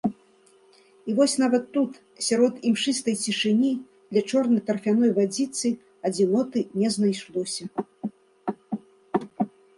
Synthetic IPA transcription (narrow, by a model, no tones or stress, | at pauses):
ivɔsʲnavɐt̪ːut̪ | sʲaɾɔt̪imʂɨst̪ɐjt͡sʲiʂɨnʲi | d̪lʲɐt͡ʂɔrnɐjt̪ɐrfʲanɔjvad͡zʲit̪sɨ | ɐd͡zʲinɔt̪ɨnʲɛznajʂlˠɔsʲɐ